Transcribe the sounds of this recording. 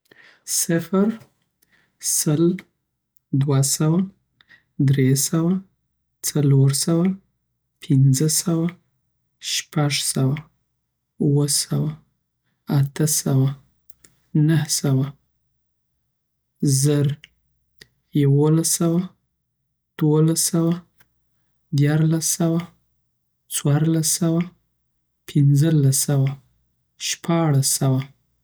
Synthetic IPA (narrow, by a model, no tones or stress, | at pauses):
sɪfɾ | səl | d̪wasawa | d̪ɾesawa | t͡saloɾsawa | pʰɪnzəsawa | ʃpaʐsawa | uwəsawa | at̪əsawa | nəhsawa | zəɾ | jawolasawa | d̪̥wolasawa | d̪jɑɾlasawa | t͡swɑɾlasawa | pʰɪnd͡zəlasawa | ʃpʰɑɽasawa